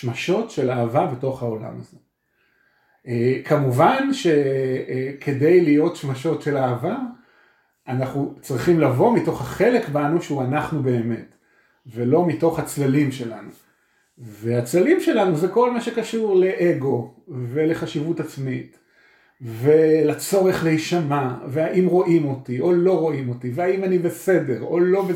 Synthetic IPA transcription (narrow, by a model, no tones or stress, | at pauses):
ʃmaʃo̞tʃe̞laːvabeto̞χhao̞la̰maze | ekʰamuvanʃe̞ | kʰe̞de̞jlijo̞tʃmaʃo̞tʃe̞laːva | ʔanaχnut͡sʁiχimlavo̞mito̞χhaχe̞le̞kbanuʃeuanaχnube̞ːme̞t | velo̞mito̞χhat͡slalimʃe̞la̰nu | ve̞at͡slalimʃelanuzeko̞lmaʃe̞kaʃuʁle̞ʔeɡo̞ve̞le̞χaʃivutat͡smit | ve̞lat͡so̞ʁe̞χleiʃamaveaʔimʁo̞ʔimo̞tiʔo̞lo̞ʁo̞imo̞tiveaimanibe̞se̞de̞ʁo̞lo̞be